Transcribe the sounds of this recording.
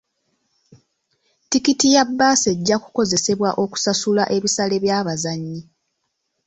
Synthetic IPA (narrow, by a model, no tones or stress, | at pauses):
tikitijabːaːseɟːaku̥ko̞ze̞se̞βwaʔo̞ku̥sasulaʔe̞βisale̞βjaːβazaɲːi